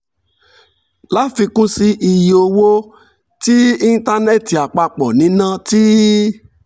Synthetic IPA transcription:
la˦fi˧kũ˦si˧ʔi˧jo˧wo˦ | ti˦i˦n˦ta˧nɛ˦˨ti˨a˨k͡pa˧k͡pɔ˨nĩ˨˦nã˦ti˦

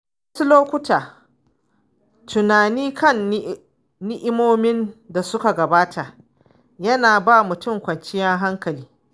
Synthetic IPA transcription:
wɐ˦su˦loː˦kʷʊ˦taː˨ | tʊ˨naː˨niː˦kɐ˦˨n | nɪ˦ʔɪ˦moː˦mɪ˦nda˨sʊ˦ka˨ɡɐ˨baː˦tʰa˨ | jɐ˦naː˨baː˦˨mʊ˨tʊ˦˨ŋkʷɐ˨nt͡ʃɪ˦jɐ˦ŋɦa˦ŋkɐ˨liː˦

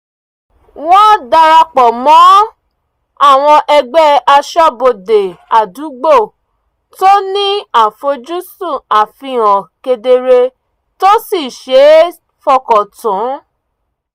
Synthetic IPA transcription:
wɔ̃˦da˧ɾa˧k͡pɔ˨mɔ̃˨˦ | a˦˨w̃ɔ̃˧ʔɛ˧ɡ͡bɛ˦a˧ʃɔ˦˨bo˨de˨a˨du˨˦ɡ͡bo˦˨ | to˦nĩ˦a˦˨fo˧˦d͡ʒu˦su˦˨a˨fĩ˧ɔ̃˨ke˧de˧ɾe˧ | to˦si˦˨ʃe˨˦ | fɔ˧˨kɔ˨tũ˨˦

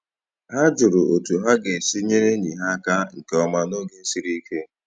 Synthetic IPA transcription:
ha˦d͡ʒʊ˨ɾʊ˨ʔo˨tu˨ɦa˦ɡe˨si˦ɲe˦ɾe˦ɲi˨ɦa˦ka˦ŋ̩˨ke˨ɔ˦ma˦no˦ɡe˦si˦ɾi˦ke˦

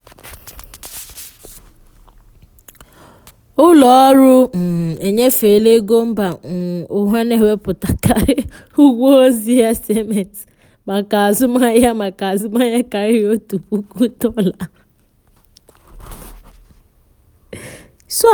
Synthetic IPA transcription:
ʊ˦lɔ˨˦ɾʊ˦m̩˨e˨ɲe˦fe˨le˦ɡo˦m̩˦ba˨n̩˨ʊ˨ɦe˦ne˦we˦pʊ˨ta˨kʰa˨ɾɪ˦ | u˦ɡʷo˦o˦zi˦ja˦se˦me˨t | ma˨ka˨a˨zʊ˦ma˦ja˦ma˨ka˨a˨zʊ˦ma˦ja˦ka˨ɾɪ˦o˦tu˨ku˦ku˦to˦la˨ | sʊ˦

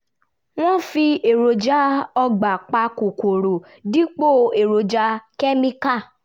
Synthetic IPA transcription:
w̃ɔ̃˦˨fi˧e˨ɾo˨d͡ʒa˨˦ɔ˧ɡ͡ba˨k͡pa˧ko˨ko˨ɾo˨ | di˦k͡po˦˨e˨ɾo˨d͡ʒa˧kɛ˦mĩ˧ka˦˨

